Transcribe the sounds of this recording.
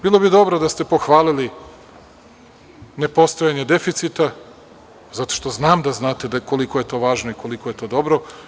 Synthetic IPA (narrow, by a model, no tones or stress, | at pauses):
biːlˠobid̪o̞bɾod̪ast̪e̞po̞xʋaːlili | ne̞po̞st̪ojaɲed̪e̞fit̪sit̪a | zat̪o̞̥ʃt̪o̞znaːmd̪aznaːt̪ed̪ako̞likoje̞t̪o̞ːʋaːʒnoikolikoje̞t̪o̞ːd̪o̞bɾo